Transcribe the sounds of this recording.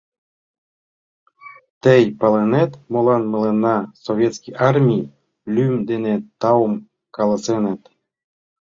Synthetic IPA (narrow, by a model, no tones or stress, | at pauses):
t̪əjpɑlenet̪molɑnmə̆lenːɑsoβʲjet̪skijʔɑrmʲij | lymd̪enet̪ɑwəm | kɑləsenet̪